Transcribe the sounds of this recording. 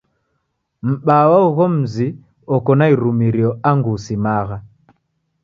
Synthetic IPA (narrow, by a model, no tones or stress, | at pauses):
m̩ɓawauɣɔm̩zi | ɔkɔnaiɾumiɾiɔaŋɡusimaɣa